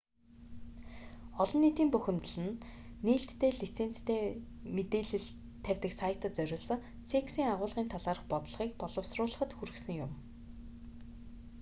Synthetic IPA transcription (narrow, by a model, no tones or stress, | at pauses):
ɔɮɞ̆nːiːt̪iːmpɵxʲɘ̆mt̪ə̆ɮɘ̆nːiːɬt̪ːʰeːɮit͡sʰeːn̥t͡st̪ʰeː | met̪eːɮɘ̆ɮ | t̪ʰːæwʲt̪ɘ̆ksajə̆t̪ə̆t̪̚t͡sœɾʲʊːɮsə̆ | seksiːŋaʁʊːɮʁiːnt̪ʰaɮaːɾə̆χpɔt̪̆ɮ̆χiːkpɔɮɞ̆wsrʊːɮə̆χə̆t̪xuɾɘ̆ksɘ̆ŋjʊm